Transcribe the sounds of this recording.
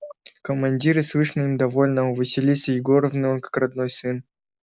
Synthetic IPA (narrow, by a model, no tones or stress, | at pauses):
kəmːɐnʲdʲiɾɨsvɨʂnɨnʲɪd̪ɐvo̞lʲnəʊvɨsʲɪlʲisʲəjɪɡoɾəvnɨəkḁkrɐd̪no̞jsɨn